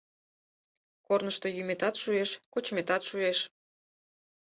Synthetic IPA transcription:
kornəʃt̪o̽jymet̪ɑt̪ʃueʃkot͡ɕmet̪ɑt̪ʃueʃ

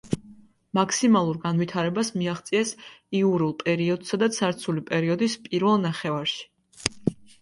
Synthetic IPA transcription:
makʰsimalˠuɾɡanvit̪ʰaɾɛbasmiaχt̪sʼiɛsiuɾulˠpʼɛɾiɔd̪sad̪asʰaɾt̪sʰulipʼɛɾiɔd̪ispʼiɾvɛlˠnaχɛvaɾʃi̥

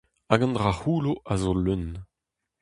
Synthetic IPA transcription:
aɡɑ̃nd̪ʁahuːloʔazoløn

